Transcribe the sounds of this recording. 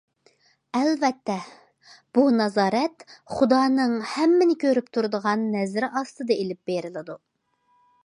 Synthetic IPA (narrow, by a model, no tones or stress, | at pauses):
ɛlvɛt̪ːɛ | b̥unɑzɑːɾɛt̪χud̪ɑːnɨŋhɛmːɪnɪkʲʰøɾypt̪ʰuɾɨd̪əʁɑnːɛzɾʔɑst̪ɨd̪ɑelɪp̚b̥eɾɪlˠɪd̪u